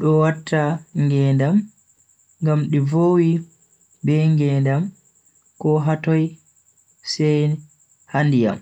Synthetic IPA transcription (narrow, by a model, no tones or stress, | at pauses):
ɗɔwatʰːaŋɡɛndam | ŋɡamɗivoːwi | bɛŋɡɛndam | kɔɦatɔj | sɛj | handija̰m